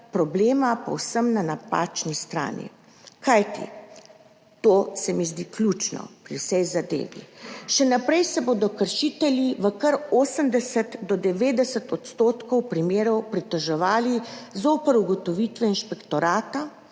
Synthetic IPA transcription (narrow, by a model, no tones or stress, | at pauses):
pɾɔbleːmapɐ̰wsəmnanapa̰ːt͡ʃnist̪ɾa̰ːnḭ | kajt̪ḭ | t̪oːsɛmizd̪iklʲuːt͡ʃnɔ̰pɾiwsɛjzad̪ḛːʋḭʃɛnapɾɛjsɛboːd̪ɔkəɾʃiːt̪ɛljiʋəkəɾoːsəmd̪ɛsət̪d̪ɔd̪ɛʋeːd̪ɛsət̪ɔt̪st̪oːt̪kɔwpɾimeːɾɔwpɾit̪əʒɛʋaːlizoːpəɾuɡɔt̪ɔʋit̪ʋɛinʃpɛkt̪ɔɾaːt̪a